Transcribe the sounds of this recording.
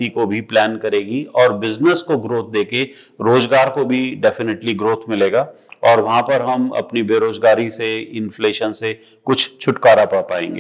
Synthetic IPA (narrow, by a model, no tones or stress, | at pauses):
ikobʱiplɛːnkɐɾeːɡiɔːɾbɪznəskoɡɾoːt̪̚ʰd̪eːke | ɾoːzɡaːɾkobʱiɖɛːfɪneʈliɡɾoːt̪ʰmɪleːɡaː | ɔːɾʋɐɦãpɐɾɦɐmɐ̰pnibeːɾoːzɡaːɾiseɪnfleːʃənse | kʊt͡ʃʰt͡ʃʰʊʈkaːɾapaːpaːḛ̃ːŋɡḛː